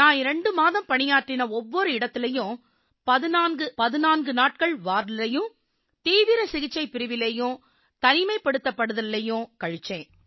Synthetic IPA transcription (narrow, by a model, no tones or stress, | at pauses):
nãːɪɾɐɳɖɯmaːðɐmpɐɳɪjaːʈrɪnɐɔʋːɔɾɯɪɽɐt̪ːɪlɐjʊ̃ | pɐðɪnaːnɡɯpɐðɯnaːnɡɯnaːʈ̚kɐɭʋaːɾlɐjɯ̃ | t̪iːʋɪɾɐsɪɣɪt͡ʃːɐɪpːɪɾɯʋɪlejʊ̃ | t̪ɐnɪmɐɪpːɐɽɯt̪ːɐpːɐɽɯðɐllːɐjʊ̃kɐɻɯt͡ʃːẽː